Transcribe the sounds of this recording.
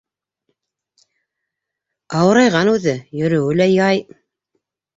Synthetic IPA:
ɑwɤ̆ɾɑjʁɑnʉðɘjɵ̆ɾɵ̆wɘ̆læjɑj

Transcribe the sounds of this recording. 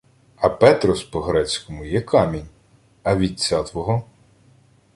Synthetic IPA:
ɐpɛt̪ɾɔspɔɦɾɛt͡sʲkɔmʊjɛkʰɑmʲinʲ | ɐʋʲit͡sʲːat̪ʋɔɦɔ

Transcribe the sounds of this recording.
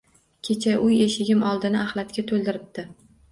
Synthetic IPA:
kʲʰe̞t͡ʃʰaʔʊjeʃɪɡʲɪmɒlˠd̪ɪnɪahlat̪kʲat̪ʰolˠd̪ɪɾɪp̚t̪ɪ

